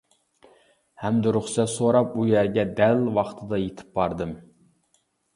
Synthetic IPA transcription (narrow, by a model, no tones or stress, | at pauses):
hɛmd̪ɪɾuχsɛt̪soɾɑp̚ujæɾɡʲɛd̪ælwɑχt̪ʰɨd̪ɑjet̪ʰɪ̥p̚bɑɾd̪ɨm